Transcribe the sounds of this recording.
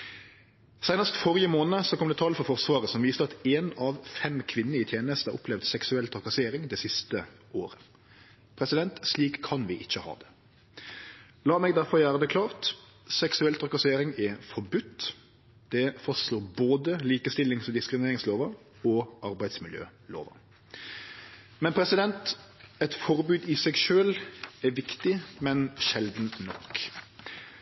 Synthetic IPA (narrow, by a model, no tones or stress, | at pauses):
sæɪnəst̪fɔɾɪəmoːnəsɔkʰɔmd̪ɛːt̪ʰɑːlfɔɾfɔʁsʋɑːʁəsɔmʋiːst̪əɑt̪eːnɑʋfɛmkʰʋɪnːəɪt̪ʰjeːnəst̪əʔʊ̰pʰlɛʋd̪sɛksʉɛlt̪ʰɾɑkɑseːɾɪŋd̪ɛsɪst̪ə | oːɾə | pʰɾɛsɪd̪ɛnt̪sliːkʰːɑnʋɪʔɪçːəhɑ̰ːd̪ɛ̥ | lɑːmɛɡd̪æɾfɔɾjæːɾəd̪ɛkʰlɑːʁt̪ | sɛksʉɛlt̪ʰʁɑkɑseːɾɪŋɛfɔɾbʉt̪ː | d̪̥ɛfɔstloːboːd̪əliːkəst̪ɪlɪŋsɔd̪ɪskɾɪmneːɾɪŋsloːʋə | ɔɑɾbæɪsmɪljø̰ːlo̰ːʋə̰ | mɛnpʰɾɛsɪd̪ɛnt̪ɛt̪fɔɾbʉːd̪ɪsɛɡʃøːlɛʋɪkt̪ɪmɛnʃɛld̪nnɔkː